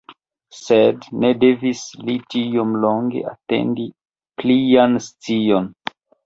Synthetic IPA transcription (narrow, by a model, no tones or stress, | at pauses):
sedne̞de̞vislitiomlo̞ŋɡe̞̰ʔa̰te̞̰ndi | plianst͡sio̞n